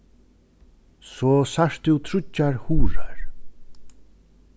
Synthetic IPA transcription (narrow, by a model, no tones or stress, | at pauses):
sɔːsaʂt̪ɪwt̪ʰɾʊcːaɹhuːɾaɹ